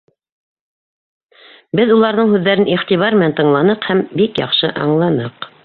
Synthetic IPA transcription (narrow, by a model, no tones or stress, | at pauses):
bɘðulˠɑɾðɤɴhʉðːæɾɘniχt̪iβɑɾmɘ̆nænt̪ɤ̆ɴlˠɑnɤqhæmbikjɑ̰qʃɤʔɑ̰ɴlˠɑnɤq